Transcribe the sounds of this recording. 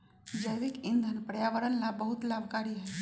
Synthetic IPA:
d͡ʒəjʋɪkɪ̃nd̪ʱənpɾəjaːʋəɾənlabəɦʊt̪laːbʱkaːɾiɦɛ

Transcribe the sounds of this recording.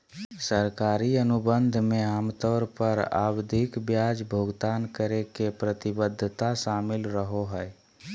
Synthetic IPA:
səɾkaɾiənubənd̪ʱmeamt̪ɔːɾpəɾa̰bd̪ʱikbjad͡ʒbʱoɡt̪aːnkəɾekepɾət̪ibəd̪ʱːt̪aʃaːmɪlɾəɦoɦəj

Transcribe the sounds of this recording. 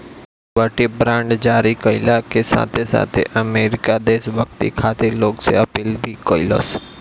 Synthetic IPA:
ʋəʈibɾãːɳɖd͡ʒaːɾikoɪlakesa̰ːt̪ʰesa̰ːt̪ʰḛʔəmeːɾɪkad̪eːsʋək̚t̪ḭkʰaːt̪eloːksḛɐpiːlbʱikoːɪlo̰s

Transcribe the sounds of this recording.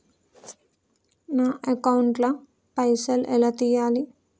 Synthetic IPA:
naːʔɐkɐwuɳʈlɐ | pɐjsɐlʔɛlat̪iːjaːli

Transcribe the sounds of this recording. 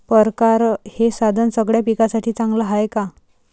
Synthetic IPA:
pəɾkaɾhesad̪ʱənsəɡɭjapikasaʈʰiːt͡sãŋɡlaɦajka

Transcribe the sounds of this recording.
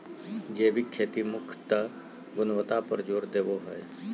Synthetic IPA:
d͡ʒeːbʱikʰːeːt̪imʊkʰt̪ə | ɡʊnʋət̪apəɾd͡ʒoːɾd̪eːʋoɦɔe

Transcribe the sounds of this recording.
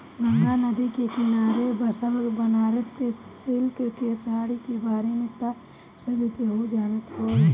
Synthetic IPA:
ɡəŋɡanɐd̪ikekɪnaːɾebɐsəmɾbənaːɾətkesɪlkkesaːɽikebaːɾemet̪a | səbʱit̪eɦod͡ʒaːɾət̪ɦo

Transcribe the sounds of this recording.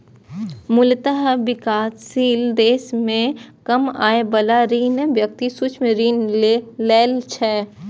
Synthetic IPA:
mʊlt̪əɦbɪkaːssiːld̪eːsmẽkəma̰ːebəlaɾiːnʋjək̚t̪isut͡ʃʰmeɾiːnleːlt͡ʃʰɛː

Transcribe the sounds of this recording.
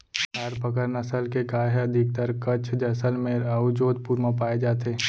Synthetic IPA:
ɦaːɾpəkəɾnəsəlkekaːɦɛɐd̪ʱɪk̚t̪əɾkət͡ʃʰd͡ʒ̪əsəlmeɾaʋʊd͡ʒoːd̪̚puːɾmãpaːed͡ʒaːt̪eː

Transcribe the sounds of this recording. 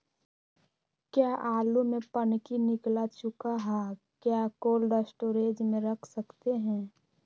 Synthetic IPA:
kjaːʔaːlumẽpɐnkinɪklat͡ʃʊkaɦɛː | kjaːkoːlɖəsʈoːɾeːd͡ʒmẽɾɐkʰsɐkt̪eɦɛ̃ː

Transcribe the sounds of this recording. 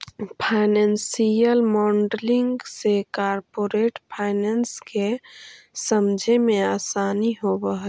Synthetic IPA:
pʰaɪnensijəlmɔɳɖliŋɡsekaɾpoɾeʈpʰaɪnenske | səmd͡ʒʱemeaːsaniɦobəɦə

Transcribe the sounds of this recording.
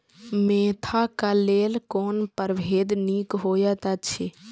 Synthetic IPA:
mẽːt̪ʰakaleːlkoːnpəɾbʱeːd̪niːkɦoːjət̪ət͡ʃʰe

